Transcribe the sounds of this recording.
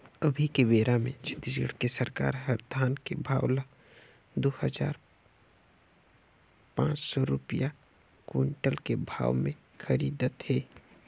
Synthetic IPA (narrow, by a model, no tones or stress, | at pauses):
əbʱikebeːɾamẽd͡ʒɪd̪ɪd͡ʒɡəɽkesəɾka̰ːɾɦəɾd̪ʱaːnkebʱaːwla | d̪oːhəza̰ːɾ | pãːt͡ʃsɔɾʊpja | kuɳʈəlkebʱa̰ːʋmẽ | xʰəɾiːd̪ət̪hɛː